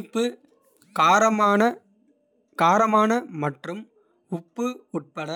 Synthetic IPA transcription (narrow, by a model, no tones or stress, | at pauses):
pːɯ | kaːɾɐmaːnɐ | kaːɾɐmaːnɐmɐʈrɯm | ʊpːɯʊʈ̚pɐɽɐ